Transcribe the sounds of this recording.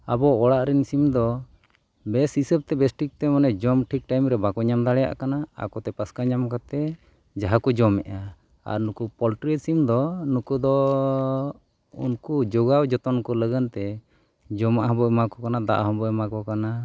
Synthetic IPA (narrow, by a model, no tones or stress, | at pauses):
abɔɔɽaʔɾɛnisimd̪ɔ | bɛsisəb̚t̪ɛbɛsʈik̚t̪ɛmanɛd͡ʒɔmʈʰik̚ʈajmɾɛbakɔɲamd̪aɽɛja̰ʔkanaa̰kɔt̪ɛpaskaɲamkat̪ɛ | d͡ʒaɦakɔd͡ʒɔmɛʔa | a̰ɾnukupɔlʈɾɛsimd̪ɔnukud̪ɔ | ṵnkud͡ʒɔɡawd͡ʒɔt̪ɔnkɔləɡənt̪ɛ | d͡ʒɔmaʔɦɔ̃bɔjmakɔkanad̪a̰ʔɦɔ̃bɔjmakɔkana